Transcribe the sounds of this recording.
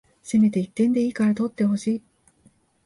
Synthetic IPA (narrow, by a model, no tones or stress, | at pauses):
seme̞t̪e̞it̪ːẽ̞nd̪e̞iːkaɾat̪o̞t̪ːe̞ɦo̞ɕiː